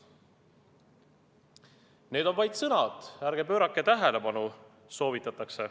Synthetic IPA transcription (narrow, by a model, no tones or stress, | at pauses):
ne̞ːd̪̥o̞nvɑjd̪̥sɤnɑd̪̥æɾɡ̥epø̞ːɾɑkːˑet̪æɦele̞pɑnu | so̞ːvit̪ːˑɑt̪ːˑɑkse̞